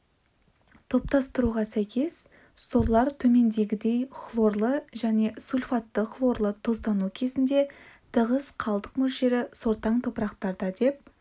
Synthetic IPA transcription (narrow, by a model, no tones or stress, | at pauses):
t̪ʰo̞p̚t̪ɑst̪əɾuʁɑsæjkʲe̞s | st̪o̞ɾlˠɑɾt̪ʰɵme̞nd̪e̞ɡʲɪd̪e̞jχlˠo̞ɾlˠəʒæne̞sulʲfat̪ːəχlˠo̞ɾlˠət̪ʰo̞zt̪ɑnukʲʰe̞zɪnd̪e̞d̪̥ʰəʁəsqʰɑlˠd̪əqmɵlʃe̞ɾɪso̞ɾt̪ɑɴt̪ʰo̞pɾɑqt̪ɑɾd̪ɑd̪e̞p̚